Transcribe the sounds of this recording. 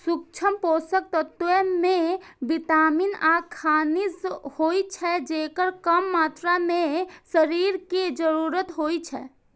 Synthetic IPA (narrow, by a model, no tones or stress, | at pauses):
suk̚t͡ʃʰəmposək̚t̪ət̪ːʋemebit̪aminakʰanishojt͡ʃʰɛd͡ʒekəɾkəmːat̪ɾamesəɾiɾked͡ʒəɾuɾət̪ɦojt͡ʃʰɛ̰